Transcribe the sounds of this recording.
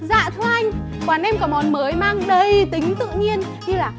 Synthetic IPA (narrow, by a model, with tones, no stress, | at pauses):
za̰ː˧˨t̪ʰu˧ʔa˧jŋ̟ | kwaː˨˩nʔɛ˧mkaː˧˩mɔ˨˦nməː˨˦jmaː˧ŋɗə˧jt̪ï˨˦ŋ̟t̪ɨ̰˧˨ŋɲi˧ən | ɲɨ˧laː˨˩